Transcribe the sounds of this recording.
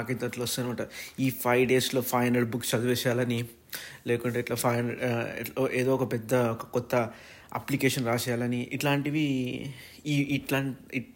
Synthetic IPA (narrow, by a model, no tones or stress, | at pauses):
akit̪ːɐʈloʋɐst̪unnimaːʈɐiːpʰɐjʋɖe̞ːslo̞ːpʰɐjnɐlbukːst͡ʃɐd̪uʋɛːsjaːlɐni | leːkuɳʈeːʈloːpʰɐjnɐlɛ̰ʈoːʔeːd̪oːɔkɐpɛd̪ːɐkɔt̪ːɐ | ɐ̰plikeːʂɐnɾaːt͡ʃɛːjaːlɐniʔḭʈlaːɳʈiʋi | ʈlaːɳi